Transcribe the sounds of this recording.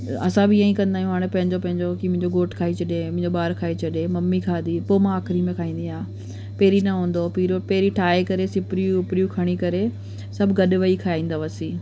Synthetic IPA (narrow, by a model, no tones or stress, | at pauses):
ɐ̰sãbɪjaːĩkɐ̃nd̪aːijũɦaːɽ̃ẽpɐ̃ɦɪ̃ɲd͡ʑopɐ̃ɦɪ̃ɲd͡ʑokimʊ̃ɦɪ̃ɲd͡ʑoɡoːʈkʰaːit͡ɕʰɐɗẽmʊ̃ɦɪ̃ɲd͡ʑoɓaːɾkʰaːet͡ɕʰɐɗemɐmːikʰaːd̪iːpoːmãaːkʰɾimẽkʰaːĩːnd̪iaː | peːɾinɐɦũːn̆d̪opiːɾopeːɾiʈʰaːekɐɾesɪpɾijũʊpɾijũkʰɐɽ̃ikɐɾe | sɐbʱɡɐɗʋɐikʰaːĩːn̆d̪aʋɐsiː